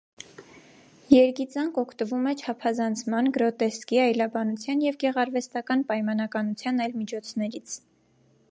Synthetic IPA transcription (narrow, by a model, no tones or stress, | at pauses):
jɛɾkit͡sɑŋkɔkʰt̪əvumɛt͡ʃʰɑpʰɑzɑnt͡sʰmɑnɡəɾɔt̪ɛskiɑjlɑbɑnut͡sʰjɑnjɛvɡɛʁɑɾvɛst̪ɑkɑnpɑjmɑnɑkɑnut͡sʰjɑnɑjlmit͡ʃʰɔt͡sʰnɛɾit͡sʰ